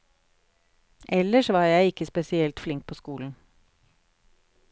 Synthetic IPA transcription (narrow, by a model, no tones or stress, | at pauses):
ʔɛləʃʋɑːɾjæɪɪkəspɛsɪɛlt̪flɪŋk̚pʰoːskuːln̩